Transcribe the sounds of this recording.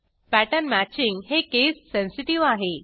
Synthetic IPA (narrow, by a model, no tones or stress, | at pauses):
pæʈənmæt͡ɕiŋɡɦekesːẽnsiʈiʋaɦe